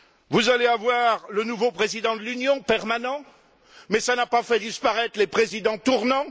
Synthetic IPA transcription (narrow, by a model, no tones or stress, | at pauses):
vuzaleavwaʁlənuvopχezid̪ɑ̃d̪əlynjɔ̃pɛʁmanɑ̃ | mɛsanapafɛd̪ispaʁɛt̪χlepχezid̪ɑ̃t̪uʁnɑ̃